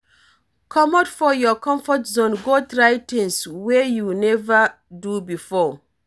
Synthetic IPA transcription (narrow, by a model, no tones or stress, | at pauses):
kʰɔmɔtfɔjɔkʰɔ̃mfɔtzõnɡotɹajtĩnswejunɛva | dubifɔ